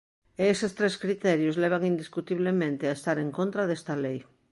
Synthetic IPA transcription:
eesest̪ɾeskɾit̪ɛɾjozleβ̞aŋind̪iskut̪iβ̞lemẽnt̪eaest̪aɾeŋkont̪ɾaðest̪ɐlej

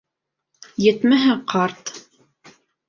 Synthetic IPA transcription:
jɘ̆t̪mæɦæqʰɑɾt̪

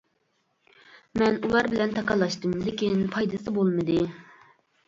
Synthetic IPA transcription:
mɛnulˠɑɾbɪlɛnt̪ʰɑkɑlˠːɑʃt̪ɨmlɪkʲinpʰɑjd̪ɨsɨbolˠmɨd̪ɨ

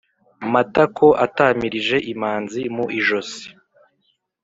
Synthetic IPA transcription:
matakʰo̞ʔataːmiɾiʒe̞ʔimaːnzimuʔiʒo̞si̥

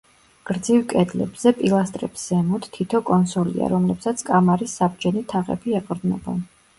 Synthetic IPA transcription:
ɡ̥ɾd̪zivkʼɛd̪lɛ̰bz̥ɛpʼilˠast̪ʼɾɛ̰bsz̥ɛmud̪̥t̪ʰit̪ʰɔkʼɔnsɔlḭa̰ɾɔmlɛpsat̪sʰkʼamaɾisːabd͡ʒɛnit̪ʰaʁɛ̰biɛqʼɾd̪nɛ̰bɔ̰n

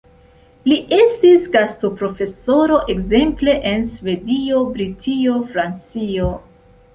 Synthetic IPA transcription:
liʔe̞stisɡastopɾo̞fe̞so̞ɾo̞ʔe̞ɡze̞mple̞ʔensve̞dio̞bɾitʰio̞fɾant͡sio̞

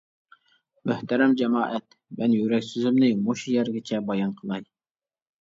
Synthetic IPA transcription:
møht̪ɛɾɛmd͡ʒɛmɑːʔɛt̪ | mɛnjyɾɛkʲsyzymnɪmoʃijɛɾɡʲɪt͡ʃʰɛbɑjɑnqʰəlˠɑj

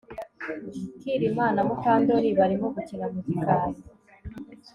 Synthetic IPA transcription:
itʰiɾimaːnamukaːndoɾiβaɾimoɡuciɾamuzikaːzi

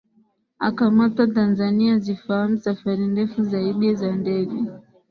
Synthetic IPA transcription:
a̰kamatwatanzaniazifaham̩safaɾindɛfuzaiɗizandɛɠɛ

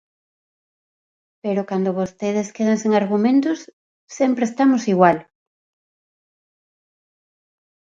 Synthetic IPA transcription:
peɾokand̪oβost̪eð̞eskeðeŋseŋaɾɣumẽnt̪ʊsː | empɾest̪amʊsiɣwal

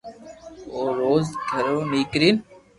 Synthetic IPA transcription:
oːɾoːzkʰəɾõːniːkɾiːn

